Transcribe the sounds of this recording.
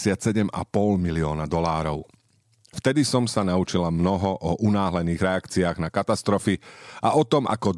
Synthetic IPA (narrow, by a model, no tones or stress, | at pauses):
sɪat̪sɛɟɛma̰pɔlmiliɔːnad̪ɔlaːɾɔʊ | ft̪ɛd̪isɔmsanaut͡ʃilamnɔɦɔʔɔʔunaːɦlɛniːɣɾɛakt͡siaːɣnakat̪ast̪ɾɔfiaʔɔt̪ɔmʔa̰kɔ